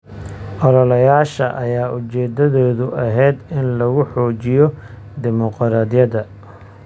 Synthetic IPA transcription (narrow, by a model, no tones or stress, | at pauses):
ʔɔɾɔlɐjaːʃɐ̰ʔɐjaːʔʊt͡ʃɛːd̪ɐðɔːðʊʔɐɦɛjd̪ɪnlɐɣʊħɔːt͡ʃɪjɔ | d̪ɪmɔqɾaːd̪ɪjɐðɐ